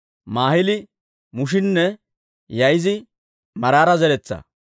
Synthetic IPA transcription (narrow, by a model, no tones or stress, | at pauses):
maːhɪlɪ | mʊʃ̬ɪnːɛ | jɐjzɪ | mɐɾaːɾɐzɛɾɛt͡sːɐ̰